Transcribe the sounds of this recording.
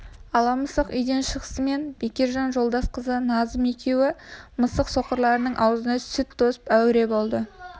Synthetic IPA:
ɑlˠɑməsəqʏjd̪e̞nʃəʁəsəme̞nbekʲe̞ɾʒɑnʒo̞lˠd̪ɑsqəzənɑzəme̞kʲʰe̞wɪməsəqso̞qəɾlˠɑɾənəɴʔɑwəzənɑsʏt̪ʰːo̞sə̥pæwɾe̞bo̞lˠd̪ə

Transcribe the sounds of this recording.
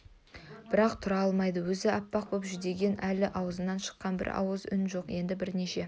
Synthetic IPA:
b̥ɪɾɑqt̪ʰʊɾɑɑlˠmɑjd̪əwɵzɪɑpːɑq̚bopʒʏzd̪e̞ɡʲe̞nælɪʔɑwəzənɑnʃə̥qːɑnbɪ̰ɾɑ̰wəzʏ̰nʒo̞qje̞nd̪ɪbɪɾne̞ʃe̞

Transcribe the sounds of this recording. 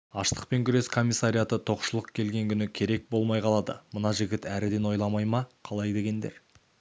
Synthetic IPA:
ɑʃt̪ə̥q̚pe̞ŋkʲʰʏɾe̞skʰo̞mʲijsːaɾʲijat̪ət̪ʰo̞qʃəlˠəqkʲʰe̞lɡʲe̞ŋkʲʰʏnɪkʲʰe̞ɾe̞k̚bo̞lˠmɑjqʰɑlˠɑd̪ə̰mənɑʒɪɡʲɪt̪æɾɪd̪e̞nwo̞jlˠɑmɑjmɑqʰɑlˠɑjd̪e̞ɡʲe̞nd̪e̞̰ɾ

